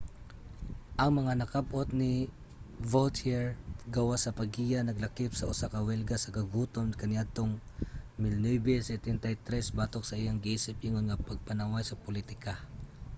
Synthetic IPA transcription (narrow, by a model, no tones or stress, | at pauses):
ʔɐŋmɐŋanɐkab̚ʔot̪̚ni | volt̪hɛɹɡɐwasɐpɐɡijanɐɡlɐkɪpsɐʔʊ̰sakɐwɛlɡasɐɡɐɡuːt̪onkɐnɪjad̪̚t̪oŋ | mɪlnojbɛsɛt̪ɛnt̪ajt̪ɾɛsbaːt̪ok̚sɐʔijaŋɡɪʔiːsɪp̚ʔiŋonŋɐpɐɡ̚pɐnawajsɐpʊlit̪ɪka